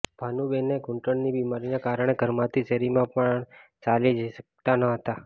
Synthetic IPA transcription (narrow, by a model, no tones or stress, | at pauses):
bʱanubeneɡʊɳʈəɳnibimaɾinekaɾəɳ̃eɡʱəɾmãt̪ʰiseɾimãpəɳt͡ʃalid͡ʒəiʃək̚t̪anəɦət̪a